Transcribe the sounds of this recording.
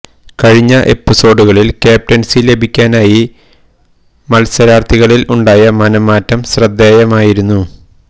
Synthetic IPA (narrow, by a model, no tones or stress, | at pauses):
kɐɻiɲːɐʔe̞̰pːiso̞ːɖuɣɐɭilkeːp̚ʈɐnsile̞bʱikʲːaːnaːji | mɐlsɐɾaːrt̪ʰiɣɐɭiluɳɖaːjɐmɐnɐmaːtːɐmɕrɐd̪ːeːjɐmaːjiɾunːu